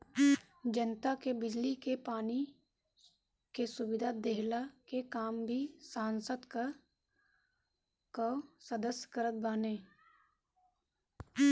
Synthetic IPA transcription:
d͡ʒənt̪akebɪd͡ʒlikepaːni | kesʊbɪd̪ʱad̪eɦlakekaːmbʱisaːnsəd̪k | kosəd̪əsjkəɾət̪̚baːneː

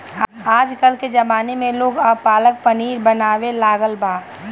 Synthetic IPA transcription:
aːd͡ʒkəlked͡ʒɐbaːnemẽloːɡɐpaːlək̚pɐniːɾbɐnaːʋelaːɡəlbʱaː

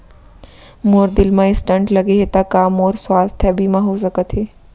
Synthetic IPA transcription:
moːɾd̪ɪlmãɪsʈəɳʈləɡeɦet̪akaːmoːɾswaːst̪ʰɛbʱimãɦos̬əkət̪ɦeː

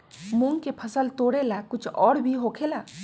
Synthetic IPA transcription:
mũŋɡkepʰəsəlt̪oːɽelakʊt͡ʃʰɔːɽbʱiɦokʰela

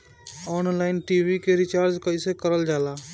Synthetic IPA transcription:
ɔːnlaːɪnʈiːʋikeɾɪt͡ʃaːɾd͡ʒkəisekəɾəld͡ʒaːlaː

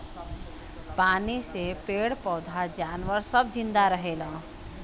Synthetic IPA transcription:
panisepeɽpɔd̪ʱad͡ʒaːnʋəɾsəbd͡ʒind̪aɾəɦelə̃

